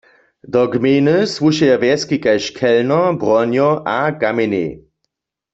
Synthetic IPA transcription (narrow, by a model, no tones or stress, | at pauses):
d̪ɔɡmeːnɨsʋuʃɛjaʋɛskikajʃkʰɛlnɔbʁɔnjɔʔakamenḛ